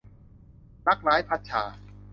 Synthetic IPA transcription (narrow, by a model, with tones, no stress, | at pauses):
la˦˥k̚ɾaː˨˦˥jpʰa˦˥t̪̚t͡ɕʰa̰ː˨˩˦